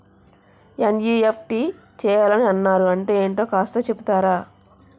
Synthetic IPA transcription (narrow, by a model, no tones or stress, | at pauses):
enjiːep̚ʰʈiː | t͡ʃɛːjaːlɐniɐnːaːɾuɐɳʈe̞ːeːɳʈo̞ːkaːst̪ɐt͡ʃebut̪aːɾaː